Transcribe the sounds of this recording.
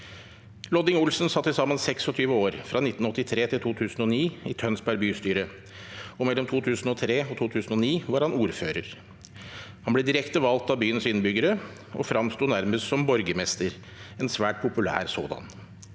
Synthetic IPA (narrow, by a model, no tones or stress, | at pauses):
lɔd̪ɪŋʊlsn̩sɑt̪ːɪsɑmːənsɛksɔt̪ʰyːʋəoːɾfɾɑnɪt̪ːn̩ɔt̪ːɪt̪ʰɾeːt̪ʰɪlt̪ʰuːt̪ʰʉːsn̩ɔniːɪt̪ʰœnsbæɾbyːst̪yːɾə | ɔmɛlːɔmt̪ʰuːt̪ʰʉːsn̩ɔt̪ʰɾeːɔt̪ʰuːt̪ʰʉːsn̩ɔniːʋɑɾhɑnuːɾføːɾəɾ | hɑnblɛːd̪ɪɾɛkt̪əʋɑlt̪ɑbyːənsɪnbʏɡəɾə | ɔ̰fɾɑmst̪uːnæɾməst̪sɔmbɔɾɡəmɛst̪əɾ | ɛnsʋæːʈ̚pʰʊpʉlæ̰ːɾso̰ːd̪ɑ̰n